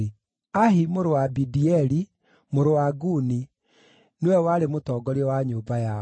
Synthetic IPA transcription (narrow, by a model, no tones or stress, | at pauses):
aɦimoɾowabidiɛɾi | moɾowaɡuni | newɛwaɾemotɔːɡɔɾeɔwaɲoːbaja